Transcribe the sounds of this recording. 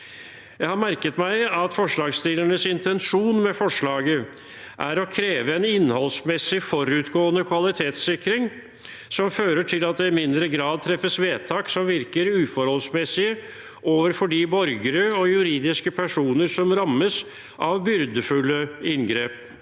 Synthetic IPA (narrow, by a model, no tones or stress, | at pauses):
jæɪhɑɾmæɾkət̪mæɪɑt̪fɔʂɭɑːɡst̪iːləɳəsɪnt̪ʰɛnʂuːnmɛfɔʂɭɑːɡə | ʔæɾɔkʰɾeːʋəɛnɪnːhɔlsmɛsɪfɔɾʉt̪ɡoːənəkʰʋɑlɪt̪ʰeːt̪sɪkɾɪŋ | sɔmføːɾəʈʰɪlɑt̪̚d̪ɛɪmɪnd̪ɾəɡɾɑːd̪̚t̪ʰɾɛfːəsʋeːt̪ʰɑːksɔmʋɪɾkəɾʉːfɔɾhɔlsmɛsɪə | ʔoːʋəɾfɔɖiːbɔɾɡəɾəɔjʉɾiːd̪ɪskəpʰæʂuːnəɾsɔmɾɑmːəs | ʔɑʋbʏɾd̪əfʉlːəɪnɡɾeːp